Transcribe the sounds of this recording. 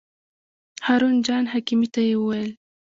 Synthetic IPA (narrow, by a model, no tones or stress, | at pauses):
hɑːɾund͡ʒɑːnɦakimit̪ajewəwajl